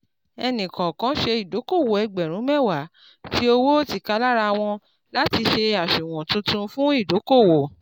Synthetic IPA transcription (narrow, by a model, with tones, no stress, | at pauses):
ɛ˧nĩ˨kã˨kã˨˦ʃe˧i˨do˨˦ko˦˨wo˨ɛ˧ɡ͡bɛ˨ɾ̃ũ˨˦mɛ˦˨wa˨˦ | ti˨˦o˧wo˦o˦ti˦˨ka˧˦la˦ɾa˧w̃ɔ̃˧ | la˦ti˧ʃe˧a˨ʃu˨w̃ɔ̃˨tũ˧tũ˧fũ˦i˦˨do˨˦ko˦˨wo˨